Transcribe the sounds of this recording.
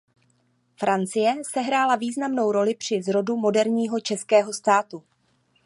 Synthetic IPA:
fɾant͡sɪjɛsɛɦɾaːlaviːznamno̞wɾo̞lɪpr̝̥ɪzɾo̞dumo̞dɛɾɲiːɦo̞t͡ʃɛskɛːɦo̞st̪aːt̪u

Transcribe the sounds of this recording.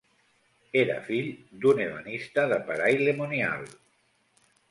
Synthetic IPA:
eɾə̰fiʎd̪uneβənist̪əðəpəɾajlemunia̰lˠ

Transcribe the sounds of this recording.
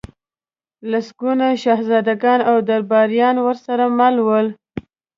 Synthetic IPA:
lasɡunaʃɑhzɑd̪aɡɑnawd̪aɾbɑɾjɑnwəɾsaɾamalwəl

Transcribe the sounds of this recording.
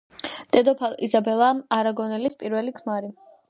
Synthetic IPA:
d̪̥ɛd̪ɔpʰalḭzabɛlˠamaɾaɡɔnɛlispʼiɾvɛlikʰmaɾi

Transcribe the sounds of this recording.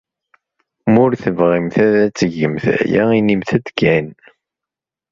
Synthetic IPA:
mʊɾθəvʁimθæðæt͡sːəʝəmθæ̰jæ̰inimθæd̪kːæn

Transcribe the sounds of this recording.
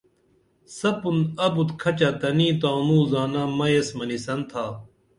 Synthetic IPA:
sɐpunɐbut̪kʰɐt͡ɕat̪ɐniːt̪aːnuːzaːnamɐjesmɐnisɐnt̪ʰaː

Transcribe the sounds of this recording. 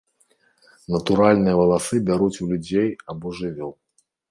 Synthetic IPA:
nɐt̪uɾalʲnɨjɐvɐlˠasɨbʲaɾut͡sʲulʲud͡zʲejabɔʐɨvʲɔw

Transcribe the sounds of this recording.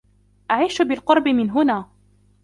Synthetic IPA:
ʔaʕiːʃʊbɪlqʊɾˤbɪmɪnɦʊnaː

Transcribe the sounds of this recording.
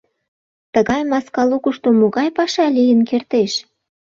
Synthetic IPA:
t̪əɣɑjmɑskɑlukuʃt̪omoɣɑjpɑʃɑlʲijənkert̪eʃ

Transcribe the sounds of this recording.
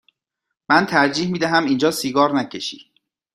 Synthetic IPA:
mænt̪ʰæɾd͡ʒiːhmiːd̪æɦæmind͡ʒɒːsiːɡɒːɾnæcʰeʃḭː

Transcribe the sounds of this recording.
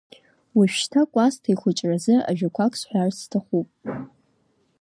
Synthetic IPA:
waʃᶣʃtʰakʷʼastʰajχʷʊt͡ʃʼrazɨʔa̰ʒᶣakʷʰakʼsħʷᶣarstʰaχʷupʼ

